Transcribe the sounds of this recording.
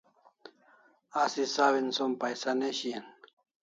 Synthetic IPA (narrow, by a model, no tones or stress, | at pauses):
asisawinsompajsaneɕien